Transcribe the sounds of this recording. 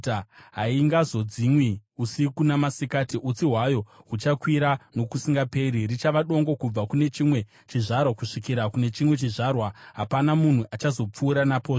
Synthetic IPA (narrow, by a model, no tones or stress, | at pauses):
ɦaiŋɡazo̞d͡zimwiusikunamasikatiʔut͡siɦwajo̞ɦut͡ʃakwiɾano̞kusiŋɡape̞ɾirit͡ʃaʋaɗo̞ŋɡo̞kub͡vakune̞t͡ʃimwe̞ | t͡ʃiʐarwakuʂikiɾakune̞t͡ʃimwe̞t͡ʃiʐarwaɦapanamun̤uʔat͡ʃazo̞p͡fuːɾanapoː